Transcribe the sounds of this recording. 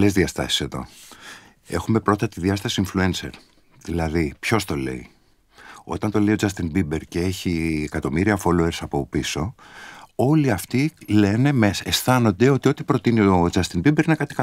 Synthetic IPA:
lezðiɐst̪ɐ̰si̥se̞ðo̞̰ | e̞xume̞pɾo̞t̪ɐt̪iðiɐst̪ɐsiːɱflue̞nse̞ɾ | ðilɐðipço̞st̪o̞le̞̰ḭ | o̞̰t̪ɐnt̪o̞le̞io̞d͡zɐst̪inbibeɾce̞e̞çiekɐt̪o̞miɾiɐfo̞loeɾsɐpo̞piso̞ | o̞liɐft̪ile̞ne̞mesesθɐno̞nd̪e̞o̞t̪io̞t̪i̥pɾo̞t̪inio̞d͡zɐst̪inbibeɾinekɐt̪i̥kɐ

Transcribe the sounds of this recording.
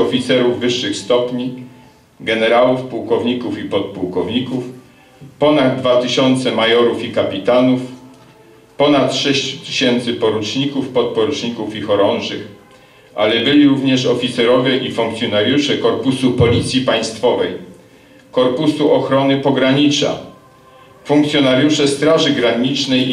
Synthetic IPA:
ɔfʲit̪sɛɾuvːɘʂːɘxst̪ɔpɲi | ɡɛnɛɾawufpuwkɔvɲikufipɔt̪̚puwkɔvɲikuf | pɔnad̪̚d̪ːvat̪ɘɕɔnt̪sɛmajɔɾufikapʲit̪anuf | pɔnat̪ʂɛɕt͡ɕu̥t̪ɘ̥ɕɛnt̪sɘpɔɾut͡ʂɲikufpɔt̪̚pɔɾut͡ʂɲikufixɔɾɔnʐɘx | ʔa̰lɛbɘlʲiɾuvɲɛʂɔfʲit̪sɛɾɔvʲjɛʔifuŋk̚t̪sʲjɔnaɾjuʂɛkɔɾpusupɔlʲit̪sʲjipaj̃st̪fɔvɛj | kɔɾpusuʔɔxɾɔnɘpɔɡɾaɲit͡ʂa̰ | fuŋkt̪sʲjɔnaɾjuʂɛst̪ɾaʐɘɡɾaɲit͡ʂnɛj

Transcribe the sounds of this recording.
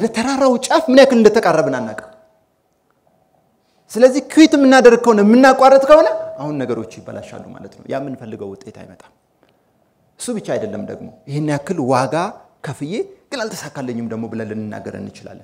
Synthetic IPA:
d̪ət̪ʰəɾaɾawut͡ʃʼəfmɨnjakːɨlɨnd̪ət̪ʰəkʼarːəβɨnanːakʼːəh | sɨləzːihkʰɨwit̪ɨmːɨnːad̪əɾ̚kʰːəhonəmɨnːakʷʼarːət̪ʼkʰəho̞nəʔahunːəɡəɾo̞t͡ʃːjɪbːə̰la̰ʃa̰lːuma̰lət̪nə̰wjamːɨnfəlːɨɡəwʊt̪ʼe̞t̪ʰa̰jmət̪ʼam | ɨsːubɨt͡ʃːaajd̪əlːəmd̪ə̰ɡmo̞̰jɪhenːijakːɨlwaɡakʰəfɨje̞ɡ̥ɨnalt̪ʰə̥sakːalːəɲːɪmd̪əɡmo̞bɨləlːɨnːɨnːa̰ɡə̰ɾə̰nːɨt͡ʃɪla̰lːə

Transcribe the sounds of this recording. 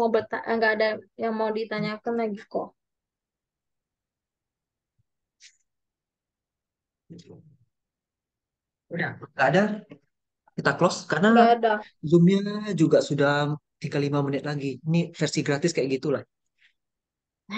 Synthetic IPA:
abət̪aŋɡaʔːdajaŋmaudit̪aɲakanlaɡikɔ | t̪ | udahŋɡaːda | kit̪aklɔskarnaɡadazʊmɲad͡ʒuɡaʔsudaht̪iɡalimamənɪt̪̚laɡinifɛrsiɡɾat̪ɪskajɛʔɡit̪ulah

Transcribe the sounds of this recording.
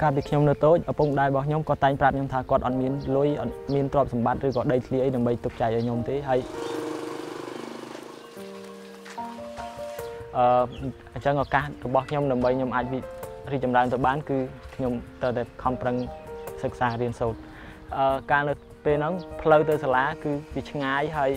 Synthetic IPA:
kaːlp̬iːkʰɲomnɨət̪oːc̚ʔapuŋɗaɛɓɑhkʰɲomkɑ̆ət̪ːaɛŋprap̚ɲomt̪ʰaːkŏət̪̚ʔɑt̪̚miənlŭəjʔɑ̰t̪̚miənt̪rŏəp̚sɑmɓat̪̚rɨːkɑːɗəjt̪ʰliəʔəjɗaəmɓəjt̪uk̚t͡ɕaɛk̚ʔaːjɲomt̪eːɦaəj | ʔəː | əɲt͡ɕəŋʔɔkahrɔɓɑhkʰɲomɗaəmɓəjɲomʔaːc̚ʋiriːk̚t͡ɕɑmraənt̪əwɓaːnkɨːkʰɲomt̪rəwt̪aɛkʰɑmprəŋsək̚saːriənsoːt̪̚ | ʔəːkaːnɨw | peːlnɨŋpʰləwt̪ɨwsaːlaːkɨːʋit͡ɕʰŋaːjɦaəj

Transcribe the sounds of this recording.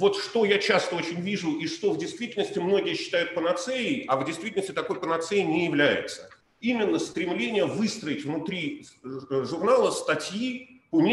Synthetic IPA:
vo̞t̪ʂt̪ojat͡ɕast̪əo̞t͡ɕɪnʲvʲiʐʊʔiʂt̪o̞vdʲɪjst̪vʲitʲɪlnəsʲtʲɪmno̞ɡʲɪjəɕːɪ̥t̪ajʊt̪̚pənɐt̪seɪʔavdʲɪjst̪vʲitʲlnəsʲtʲɪt̪ɐko̞jpənɐt̪seɪnʲɪjɪvlʲæjɪ̰t̪sə | imʲɪnːəst̪ɾʲɪmlʲenʲɪjəvɨst̪ɾəɪtʲvnʊt̪ɾʲi | ʐʊrnalˠəst̪ɐtʲjiponʲ

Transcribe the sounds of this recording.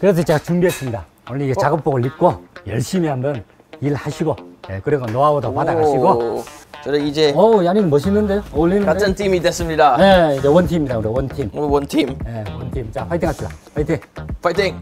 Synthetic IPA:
kɯɾesʰʌt͡ɕeɡat͡ɕuŋdiasʰimɲida | oiiɡet͡ɕaɡɯp̚p͈oɡoɭːik̚k͈ojʌɭɕ͈imiɦamdʌn | ilhaɕʰiɡojekɯɾeɡonoaodopadaɡʰaɕiɡosodeid͡ʑeʌaniɡɯmʌɕʰinːɯndejolːinːɯkanʰɯntʰimidesɯmɲidajeind͡ʑewʌntʰimiɲid̪auɾewʌntʰimwʌntʰimjewʌntʰimt͡ɕaɸʰajtʰeŋɦapʰida̰ɸajt̪ʰeŋfajtʰeŋ

